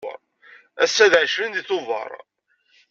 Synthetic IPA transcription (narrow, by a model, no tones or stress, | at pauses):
ə̰ɾˤ | æsːæðʕəʃvənd̪iθʊvɑ̰ɾˤ